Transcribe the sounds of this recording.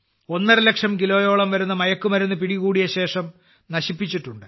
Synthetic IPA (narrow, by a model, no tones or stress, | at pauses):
o̞nːɐrɨle̞kʂɐmkilo̞ːjo̞ːɭɐmʋɐɾunːɐmɐjɐkːumɐɾunːɐpiɽiɣuːɽijɐɕe̞ːʂɐm | nɐɕipːit͡ɕːiʈːuɳɖɨ